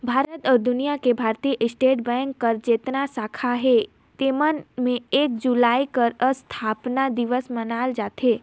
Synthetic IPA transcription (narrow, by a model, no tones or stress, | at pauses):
bʱaːɾət̪ɔɾd̪ʊnijakebʱaːɾt̪ijəʔɪsʈeːʈ̚bɛ̃ŋkːəɾd͡ʒeːt̪nasakʰaɦe | t̪eːmənmẽeːk̚d͡ʒulaːikəɾəst̪ʰaːpnad̪ɪʋəsmənaːld͡ʒaːt̪ɦe